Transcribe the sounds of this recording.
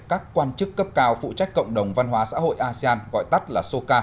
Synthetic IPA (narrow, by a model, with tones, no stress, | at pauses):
kaː˦˥kːwaː˧nt͡ɕɨ˦˥kːə˦˥p̚kaː˨˦wfṵ˧˨t͡ɕa˦˥jk̟̚kə̰˧˨wŋ͡mɗə˨˩wŋ͡mva˧nɦwaː˨˦sa̰ː˧˥ɦo̰˧˨jʔaː˧si˧aː˧nɣɔ̰˧˨jt̪ə˦˥t̚laː˨˩so˧kaː˧